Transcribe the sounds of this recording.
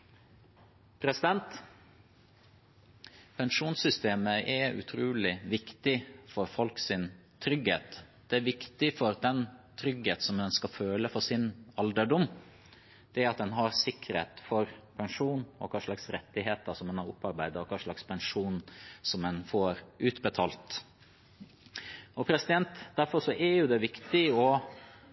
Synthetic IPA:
pʰɾɛsɪd̪ɛnt̪ | pʰɛnʂuːnsʏst̪eːməʔɛʉ̰t̪ʰɾuːlɪʋɪkt̪ɪfɔɾfɔlksɪn | t̪ʰɾʏɡhḛːt̪d̪̥ɛæʋɪkt̪ɪfɔɾd̪ɛnt̪ʰɾʏɡheːt̪sɔmd̪ɛnskɑføːləfɔsɪnɑld̪əɖʊm | d̪̥ɛæɾɑt̪̚d̪ɛnɦɑɾsɪkːɾḛːt̪fɔɾpʰɛŋʂuːnɔ̰kʰɑʂlɑksɾɛt̪ːɪɦeːt̪əsɔmɛnhɑɾʊ̰pːɑɾbæɪd̪əɔkʰɑʂɭɑkspʰɛnʂuːnsɔmɛnfoːɾʔʉːt̪bət̪ʰɑːlt̪ | ɔpʰɾɛsɪd̪ɛnt̪d̪æɾfɔɾʂɔʔɛɾjʊd̪ɛʋɪkt̪ɪɔ

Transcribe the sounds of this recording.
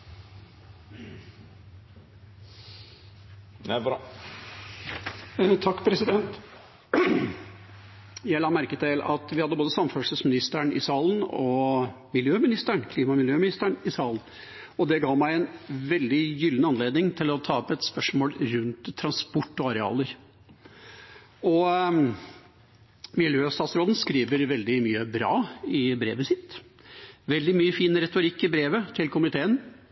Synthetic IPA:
t̪ʰɑkːpʰɾɛsɪd̪ɛnt̪ | jæɪlɑːmæɾkət̪ɪlɑ̰t̪ʋɪhɑd̪əboːd̪əsɑməfœːʂəsmɪnɪst̪əɳɪ̰sɑːlən̩ɔmɪljøːmɪnɪst̪əɳkʰliːmɑmɪljøːmɪnɪst̪əɳɪsɑːlən̩ | ɔd̪ɛɡɑːʋmæɪɛnʋɛld̪ɪjʏlːənəɑnleːd̪nɪŋt̪ʰɪlɔt̪ʰɑːɔpɛt̪spœʂmoːlɾʉnt̪ʰːɾɑnspɔʈːɔɑɾɛɑ̰ːləɾ | ɔ | mɪljøːst̪ɑːt̪sɾoːd̪n̩skɾiːʋəɾʋɛld̪ɪmyːəbɾɑ̰ːɪbɾḛːʋəsɪt̪ː | ʋɛld̪ɪmyːəfiːnɾɛt̪ʊɾɪkːɪbɾeːʋət̪ʰɪlkʰʊmɪt̪ʰeːən

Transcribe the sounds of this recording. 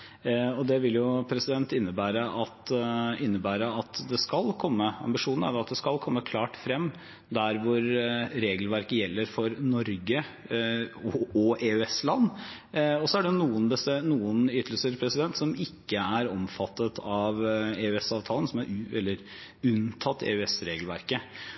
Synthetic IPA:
ɔd̪ɛʋɪljʊpʰɾɛsɪd̪ɛnt̪ɪnːəbæːɾəʔɑt̪ɪnːəbæːɾəɑt̪d̪ɛskɑlkʰɔmːəɑ̰mbɪʂuːnn̩æ̰ɾd̪ɑt̪̚d̪ɛskɑlkʰɔmːəkʰlɑːʈfɾɛmː | d̪æɾʋʊɾɾeːɡəlʋæɾkəjɛlːəɾfɔɾnɔɾɡə | ɔɔʔeːʉɛslɑnː | ɔsɔæɖɛnuːənbəst̪ɛnuːənʏt̪əl̩səɾpʰɾɛsɪd̪ɛnt̪sɔmɪkːəæɾɔmfɑt̪ːət̪ʰɑʋeːʉɛsɑːʋt̪ʰɑːlənsɔmæɾɛ̰lːəɾ | ʉnt̪ʰɑt̪ːḛːʉɛsɾeːɡəlʋæɾkə

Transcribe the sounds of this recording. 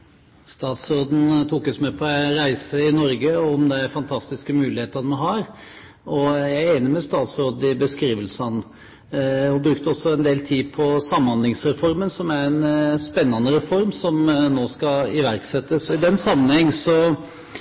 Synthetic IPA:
st̪ɑːt̪sɾoːd̪n̩t̪ʰukɔsmɛpʰɔæɪɾæɪsəɪnɔɾɡəɔmd̪ɛæɾfɑnt̪ʰɑst̪ɪskəmʉːlɪheːt̪əɾnmæɦɑɾ | ɔjæɪeːnəɾmɛst̪ɑːt̪sɾoːd̪n̩ɪbəskɾiːʋəlsɑn | ɔbɾʉk̚t̪əɔsːɔɛnd̪eːlt̪ʰiːpʰɔsɑmːhɑnd̪lɪŋsɾɛfɔɾmənsɔmæɾɛnspɛnːɑnəɾɛfɔɾmsɔmnoːskɑɪʋæɾksɛt̪ːəsɔɪd̪ɛnsɑmːənhɛŋːsɔ

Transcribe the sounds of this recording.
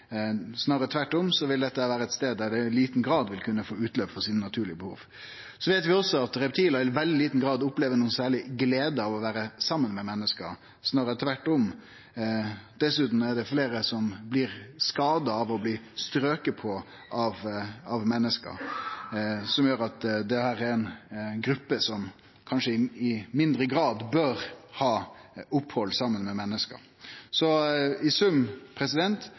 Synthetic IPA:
snɑːɾət̪ʰʋæʈːɔmsɔʋɪld̪ɛt̪ːəæʋæːɾəɛt̪st̪eːd̪d̪æɖɛliːt̪n̩ɡɾɑːd̪ʋɪlkʰʉnːəfoːʉːt̪løːpfɔɾsiːnənɑt̪ʰʉːɭɪəbəhṵːʋ | sɔʋeːt̪ʋɪɔsɔɑt̪ɾɛpt̪ʰiːləɪʋɛld̪ɪliːt̪n̩ɡɾɑːd̪ʊpleːʋənuːənsæːɭɪɡleːd̪əɑʋɔʋæːɾəsɑmːənmɛmɛnːəskəɾ | snɑːɾət̪ʰʋæʈːɔm | d̪̥ɛsʉːt̪n̩æɖɛfleːɾəsɔmblɪɾskɑːd̪ɑɑʋɔbliːst̪ɾøːkəpʰɔ | ʔɑʋɑʋmɛnːəskə̰ɾ | sɔmjøːɾɑt̪d̪ɛhæːɾɛɾɛnɡɾʉpːəsɔm | kʰɑnʂəɪɪmɪnd̪ɾəɡɾɑːd̪bøɾhɑːʊphɔlːsɑmːənmɛmɛnːəskə̰ɾ | sɔɪsʉmpʰɾɛsɪd̪ɛnt̪

